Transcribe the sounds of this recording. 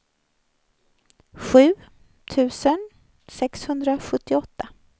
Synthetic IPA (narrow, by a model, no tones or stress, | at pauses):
ɧʉ̟ː | t̪ʰʉ̟ːsən | sɛkshɵnd̪ɾaɧɵt̪ːɪɔt̪ːa